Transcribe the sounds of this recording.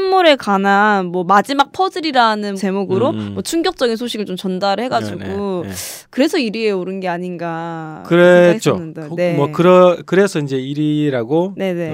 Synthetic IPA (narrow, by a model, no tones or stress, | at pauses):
mmuɾe̞kananmwʌmad͡ʑimak̚pʰʌdɯɾiɾanɯnt͡ɕe̞muɡɯɾomwʌt͡ɕʰuŋɡjʌk̚t͡ɕ͈ʌɡinsʰoɕʰiɡɯɭt͡ɕomt͡ɕʌndaɾɯɭhe̞ɡad͡ʑiɡukɯɾe̞sʰʌiɾie̞oɾɯnɡe̞aɲinɡa | kɯɾet͡ɕ͈ʰoɯndane̞mʌkɯɾʌkɯɾe̞sʰʌind͡ʑe̞iɾiɾaɡone̞ne̞